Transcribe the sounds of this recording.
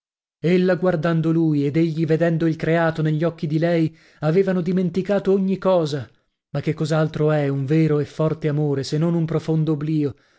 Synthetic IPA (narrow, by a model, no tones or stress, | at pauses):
elːaɡward̪and̪oluːjed̪eʎːived̪ɛnd̪oilkɾeaːt̪oneʎːɔkːid̪ilɛj | aveːvanod̪iment̪ikaːt̪ooɲːikɔːza | makːekːɔzalt̪ɾoɛuɱveːɾoefːɔrt̪eamoːɾesenːonumpɾofond̪oːbliːo